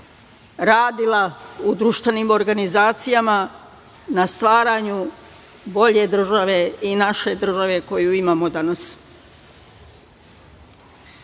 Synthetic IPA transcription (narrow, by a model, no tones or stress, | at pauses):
ɾaːd̪ilaud̪ɾuʃt̪ʋenimo̞ɾɡanizaːt̪sijama | nast̪ʋaːɾaɲu | bo̞ʎe̞d̪r̩ʒaʋe̞inaʃe̞d̪r̩ʒaʋe̞ko̞juimaːmo̞d̪anas